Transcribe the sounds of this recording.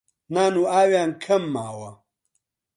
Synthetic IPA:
naːnuaːwjaŋkʰɐmːaːwɐ̰

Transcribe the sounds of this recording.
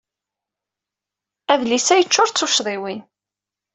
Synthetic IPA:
æðlisæjət͡ʃːʊɾt͡sːuʃðˤiwin

